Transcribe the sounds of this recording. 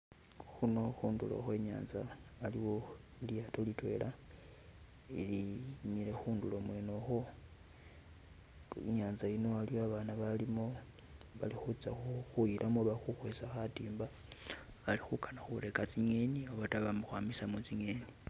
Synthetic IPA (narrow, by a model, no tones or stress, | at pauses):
xuno̞xuːndulo̰xwe̞ɲa̰ːnzaːliwo̞ilijatolitwe̞̰lʔa | ḭlimiɾe̞xuːndulo̞mwe̞no̞xo | ḭɲaːnzaino̞aliwoaβanaβalimo̞ | βalixut͡saxuxujilʔamoβaxuxwesaxatiːmba | alixukanaxuɾe̞kat͡siɲenioβataβamuxwamisamut͡siɲeni